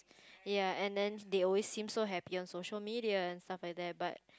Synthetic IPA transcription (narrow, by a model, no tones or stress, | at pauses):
jaɛ̃ndɛ̃ndeɔlwesːĩmsoɦɛpiɔ̃nsoʃəlmidiaɛ̃nstaflaɪjk̚d̪ɛt̚bat̚